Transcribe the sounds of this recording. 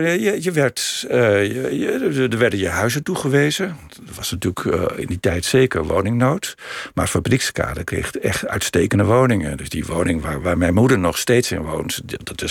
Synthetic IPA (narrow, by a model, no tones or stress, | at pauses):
jəjəʋɛɹt | dəʋɛɹdəjəɦœɥzətuχəʋeːzə | ʋɑsnatyːləkɪ̰nditɛjtseːkəɹʋo̰wnɪŋnowtmaːɹfabrikska̰ːdəkrḛjχtɛχtœ̰ɥtsteːkəndəʋownɪŋə̰dɵsdiʋo̰wnɪŋʋaːʋaːɹmɛjnmudəɹnɔχsteːtsɪ̰nʋo̰wntdtɪ